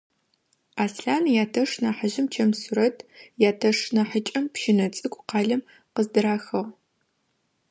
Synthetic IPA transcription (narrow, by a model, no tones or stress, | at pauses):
aːsɬaːnjaːtʰɐʂnaħəʑɪmt͡ʃʰɐmsuɾɐtʰjaːtʰɐʂnaħət͡ʃʼɐmpʃɪnɐt͡sʼɨkʷʼqɑːɮɐm | qəzdɨɾaːxɐʁ